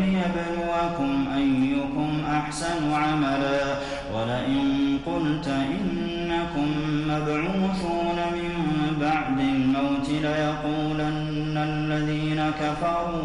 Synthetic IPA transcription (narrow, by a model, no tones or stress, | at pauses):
lɪjabanʊwakʊmʔajːʊkʊmʔaħsanʊʕamalaː | walaʔɪnqʊlt̪ʔɪnː | akʊmːabʕuːθuːnamɪmbaʕd̪ɪlmawt̪ɪlajɑquːlanː | alːaðiːnakafɑɾˤuː